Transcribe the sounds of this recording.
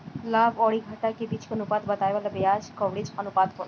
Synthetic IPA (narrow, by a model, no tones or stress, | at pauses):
labɔɽiɡʱaʈakebit͡ʃʰkonupad̪bat̪ajbalabead͡ʑkɔʋɽid͡ʑonupad̪kɔɾ